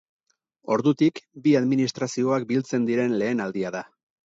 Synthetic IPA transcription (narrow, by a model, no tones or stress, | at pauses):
o̞ɾðut̪ikbiaðminist̪ɾasio̞ak̚bilt͡se̞nd̪iɾe̞nle̞ːnald̪iaða